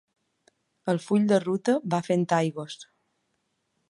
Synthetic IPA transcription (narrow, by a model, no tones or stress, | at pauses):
əlˠfuʎd̪ərut̪əβafent̪ajɣos